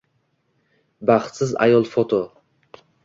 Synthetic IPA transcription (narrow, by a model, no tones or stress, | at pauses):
baχt̪sɪza̰jɒlˠfot̪ʰo